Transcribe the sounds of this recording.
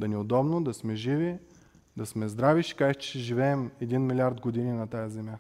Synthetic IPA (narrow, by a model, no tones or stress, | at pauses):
d̪ɐnɛod̪ɔbnod̪ɐsmɛʒivi | d̪ɐsmɛzd̪ɾaviʃkakʃt͡ʃʃɛʒivɛɛmɛd̪inmilʲaɾd̪ɡod̪ininɐt̪ajɐzɛmʲja